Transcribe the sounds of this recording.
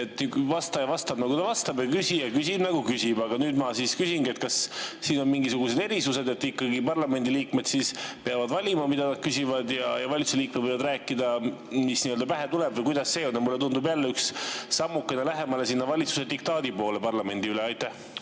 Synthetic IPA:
et̪nyvɑst̪ɑjɑvɑst̪ɑb̥nɑɡut̪ɑvɑst̪ɑbjɑkysijɑkysʲibnɑɡukysib̥ɑɡ̥ɑnyːd̪mɑsiːskysiŋɡie̞t̪kɑsːiːno̞nmiŋɡisuɡuse̞d̪e̞ɾisuse̞d̪e̞t̪ːikːɑɡipɑrlɑme̞nd̪iliːkme̞d̪̥siːspeɑvɑd̪vɑlʲimɑmid̪̥ɑnɑd̪̥̚kysivɑd̪jɑjɑvɑlʲit̪suseliːk̚md̪vɤjvɑd̪ɾæːkːˑid̪ɑmisniːøld̪ɑpæɦe̞t̪ulebvɤjkujd̪̥ɑsːe̞ːonjɑmulːe̞t̪und̪ubjælːeyksːɑmːukːˑenelæɦe̞mɑle̞sinːɑvɑlʲit̪su̥se̞d̪ik̚t̪ɑːd̪̥ipo̞ːle̞pɑrlɑme̞nʲd̪iyleɑjt̪ːˑæh

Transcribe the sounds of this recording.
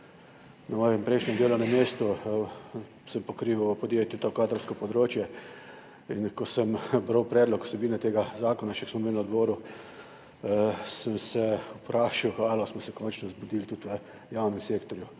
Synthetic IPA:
namɔːjɛmpɾɛɪʃnʲɛmd̪eːlonameːst̪u | səmpɔkɾiːʋuəpɔd̪jet̪jut̪okaːt̪ɾɐwskɔpɔd̪ɾoːt͡ʃjɛ | inkɔsəmbɾawpɾɛːd̪lɔku̥sɛbiːnɛt̪eːɡazaːkɔnat͡ʃɛksmɔmelnad̪boːɾu | səmsɛupɾaːʃiwalɔsmɔsɛkɔnt͡ʃnɔzbud̪iːlt̪ut̪ʋə | jawnɛmseːkt̪ɔɾju

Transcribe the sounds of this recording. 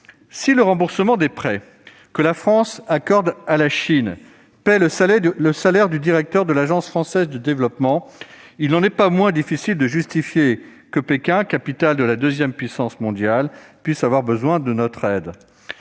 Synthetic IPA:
siləʁɑ̃buʁsəmɑ̃d̪ɛpχɛ | kəlafχɑ̃sakɔʁd̪alaʃin | pɛlələsalɛʁd̪yd̪iʁɛk̚t̪œʁd̪əlaʒɑ̃sfχɑ̃sɛzd̪əd̪evlɔpmɑ̃ | ilnɑ̃nɛpamwɛ̃d̪ifisild̪əʒyst̪ifje | kəpekʲɛ̃kapit̪ald̪əlad̪øzjɛmpɥisɑ̃smɔ̃d̪jalpɥisavwaʁbəzwɛ̃d̪ənɔt̪χɛd̪

